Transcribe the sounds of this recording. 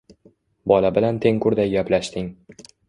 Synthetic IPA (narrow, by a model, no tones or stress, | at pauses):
bɒlabɪlant̪ʰe̞ŋkʊɾd̪ajɡʲaplaʃt̪ɪŋ